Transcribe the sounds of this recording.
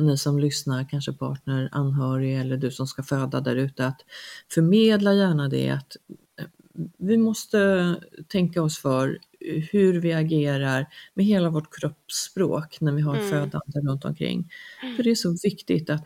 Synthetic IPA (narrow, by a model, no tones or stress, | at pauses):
nɪsɔmlʏsnaɾkʰanʂəpʰɑ̰ːʈ̚nəɾa̰nːɦœːɾɪɛlːəɖɵsɔmskaføːd̪ad̪æɾʉ̟ːt̪əat̪fœɾmeːd̪lajæːɳad̪ɛ̰a̰t̪ | vɪmɔst̪ət̪ʰɛŋkaɔsfœɾ | hɵɾvɪaɡeːɾaɾmɛɦeːlavɔʈkʰɾɔpːspɾo̰ːknæɾvɪɦaɾføːd̪a̰nd̪əɾɵnt̪ɔ̰mkʰɾɪ̰ŋːfœɖɛæʂɔvɪkt̪ɪt̪at̪